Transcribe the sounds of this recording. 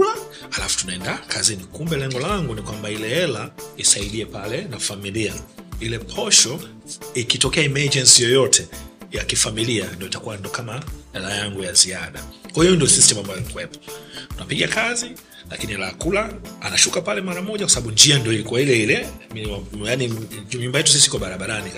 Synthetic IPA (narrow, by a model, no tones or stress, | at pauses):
la | halafu̥tunaɛndakʰazinikumbɛlɛŋɡɔlaŋɡunikwambailɛɛlaisaiɗiɛpalɛnafamiliailɛpʰɔʃɔ | ikitɔkɛaimad͡ʒɛnsijɔjɔtʰɛjakifamiliandiɔitakuwandiɔkamaɛlajaŋɡujaziaɗakwahijɔndiɔsistɛmambajalikuwɛpɔ̥tunapiɠakazi | la̰kinialaːkulaa̰naʃukapalɛmaɾamɔʄakwasaɓaɓund͡ʒiandiɔilikuwailɛilɛmajaniɲumbajɛtu̥s̬isiikɔɓaɾaɓaɾanik